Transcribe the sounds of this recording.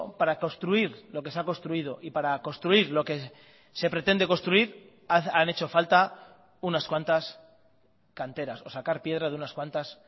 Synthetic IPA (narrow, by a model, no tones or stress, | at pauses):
paɾako̞st̪ɾuiɾlo̞ke̞seakonst̪ɾuið̞o̞ʔipaɾako̞st̪ɾuiɾlo̞ke̞ | se̞pɾe̞t̪e̞nd̪e̞ko̞nst̪ɾuiɾ | ane̞t͡ʃo̞falt̪a | unaskwant̪as | kant̪e̞ɾaso̞sakaɾpje̞ð̞ɾaðeunaskwant̪as